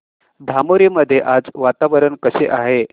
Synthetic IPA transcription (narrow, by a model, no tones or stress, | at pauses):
d̪ʱamoɾiːməd̪ʱːjeʔad͡zʋat̪aʋəɾəɳkəseʔaɦe